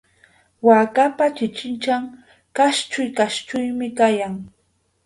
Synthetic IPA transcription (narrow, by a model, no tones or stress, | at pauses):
waːkapat͡ʃɪt͡ʃɪnt͡ʃaŋ | kaʃt͡ʃʊjkaʃt͡ʃʊjmɪkajaŋ